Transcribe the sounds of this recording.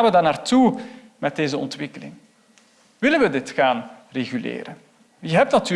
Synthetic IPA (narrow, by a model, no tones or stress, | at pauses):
nʋədaːrnaːrtu | mɛt̚deːzəɔ̰ntʋɪkəlɪ̰ŋ | ʋɪlənʋədɪtxaːn | reɣylḛːɾən | jəɦɛp̚tnatyː